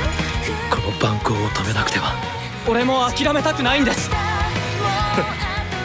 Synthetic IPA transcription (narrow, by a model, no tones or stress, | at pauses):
kʰo̞no̞bãŋkɯːt̪ʰo̞me̞nakɯ̟̥t̪e̞βa | o̞ɾe̞mo̞akʲiɾame̞t̪akɯ̟naĩnd̪e̞sɨ̥